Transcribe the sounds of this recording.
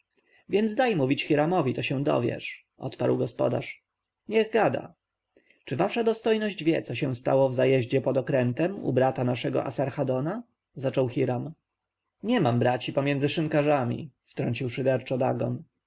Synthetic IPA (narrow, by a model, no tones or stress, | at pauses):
vʲjɛnd̪zd̪ajmuvʲit͡ɕxiɾamɔvʲit̪ɔɕɛ̃d̪ɔ̰vʲjɛ̰ʂ | ʔɔ̰t̪paɾwɡɔspɔ̰d̪a̰ʂ | ɲɛɣɡad̪a̰ | t͡ʂɘvaʂad̪ɔst̪ɔjnɔʑd͡ʑvʲjɛ̰t̪sɔɕɛw̃st̪a̰wɔvzajɛʑd͡ʑɛpɔd̪ɔkɾɛnt̪ɛmṵbɾat̪anaʂɛɡɔ̰ʔa̰saɾxad̪ɔna | zat͡ʂɔwxiɾam | ɲɛmambɾat͡ɕipɔmʲjɛnzɘʂɘŋkaʐamʲḭft̪ɾɔɲʲt͡ɕiwʂɘd̪ɛɾt͡ʂɔd̪a̰ɡɔ̰n